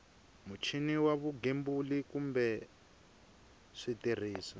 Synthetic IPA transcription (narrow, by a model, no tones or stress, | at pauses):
mut͡ʃʰiniwaβuɡembulikumbɛ | ʂitir̤iːsa